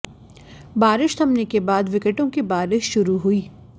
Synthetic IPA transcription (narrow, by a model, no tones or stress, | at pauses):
baːɾɪʃt̪ʰɐmnekebaːd̪ʋɪkəʈõkibaːɾɪʃʃʊɾuɦuiː